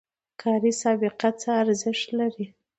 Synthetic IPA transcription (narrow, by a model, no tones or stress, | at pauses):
kʰɑɾisɑbɪqat͡səaɾzɪʃt̪laɾi